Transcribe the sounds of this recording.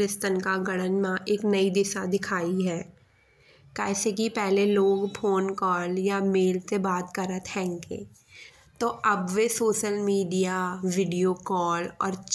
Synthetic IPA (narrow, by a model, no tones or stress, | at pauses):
ɪst̪ənkaɡɐɽ̃ənmãʔeːknɐid̪ɪʃad̪ɪkʰaːiɦɛː | kɛːsekipɛɦleloːɡpʰoːnkɔːljameːlsebaːt̪kɐɾət̪ʰɛ̃ːŋkḛ̃ː | t̪oɐbʋesoːʃəlmiːɖijaʋɪɖijokɔːlɔ̰ːɾt͡ʃ